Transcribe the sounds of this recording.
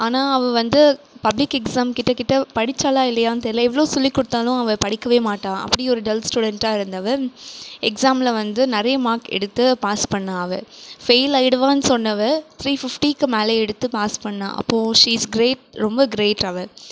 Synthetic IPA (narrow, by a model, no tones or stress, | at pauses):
aːnaːɐʋɐʋɐnd̪ɯ | pɐblɪkːɛksaːmkɪʈːɐkɪʈːɐpɐɽɪt͡ʃːaːlaːɪlːɐjaːnt̪ɐːɾɪlɐɛʋːɐɭoːsɔlːikːʊɽɯt̪ːaːlʊ̃ɐʋɐpɐɽɪkːɐʋeːmaːʈːãːɐ̰pːɐɽiɔɾɯɖɛlsʈuːɽɛɳʈaːɪɾɯnd̪ɐʋɐ | ɛksaːmlɐʋɐnd̪ɯnɐɾɐjɐmaːkɛ̰ɽɯt̪ːɯpaːspɐɳːãːɐʋɐ̰feɪlɐjɪɽɐʋaːnɯsɔnːɐʋɐt̪ʰɾiːfɪfʈikːɯmɛːlɐɛɽɯt̪ːɯpaːspɐɳːã̰ːʔɐ̰pːõːʂiːsɡɾeːʈ̚ɾɔmbɐɡɾeːʈɐʋɐ